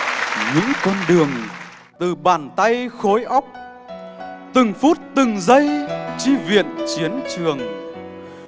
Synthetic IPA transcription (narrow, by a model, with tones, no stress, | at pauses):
ɲɨ̰˧˥ŋkɔ˧nɗɨ˨˩əŋ | t̪ɨ˨˩ɓaː˨˩nt̪a˧jxo˨˦jʔa˦˥wk͡p̚ | t̪ɨ˨˩ŋfu˦˥t̚t̪ɨ˨˩ŋzə˧jt͡ɕi˧vḭ˧˨ənt͡ɕi˨˦ənt͡ɕɨ˨˩əŋ